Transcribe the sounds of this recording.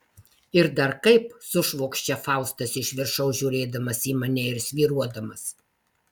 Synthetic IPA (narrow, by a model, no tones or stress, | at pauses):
ɪɾd̪ɐɾkɐɪpsʊʃʋoːkʃʲt͡ʃʲɛfɑˑʊst̪ɐsɪʃʲʋʲɪɾʃɐʊʒʲuːɾʲeːd̪ɐmɐsiːmɐnʲɛɪɾsʲʋʲiːɾuɔd̪ɐmɐs